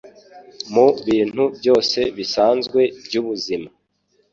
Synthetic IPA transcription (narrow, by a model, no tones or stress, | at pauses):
muβiːn̥hubjo̞ːse̞βisaːnzɡwe̞bjuβuzima